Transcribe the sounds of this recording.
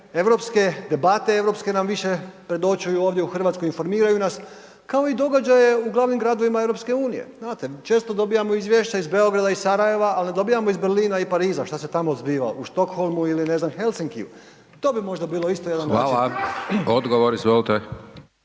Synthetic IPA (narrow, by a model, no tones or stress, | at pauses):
e̞ʋɾo̞pske̞d̪e̞bat̪e̞e̞ʋɾo̞pske̞namʋiʃe̞pɾe̞d̪o̞t͡ʃujuoːʋd̪ʲjeuxr̩ʋat̪skoinfo̞ɾmiːɾajunas | kao̞id̪o̞ɡad͡ʑaje̞uɡlˠaʋnimɡɾaːd̪o̞ʋimae̞ʋɾo̞pske̞uːnije̞̰znaːt̪et͡ʃe̞ːst̪o̞d̪o̞bijamoizʋjeʃt͡ɕaizbe̞o̞ɡɾad̪aisaɾaje̞ʋaːlne̞d̪o̞bijamoizbeɾliːnaipaɾiːzaʃt̪ase̞t̪amozbiːʋa̰uʃt̪o̞kxo̞lˠmuiline̞znamxe̞lsiŋkiṵ | t̪o̞ːbimo̞ʒd̪abiːlˠo̞ist̪oje̞d̪anoaaod̪ɡoʋoɾizʋolit̪e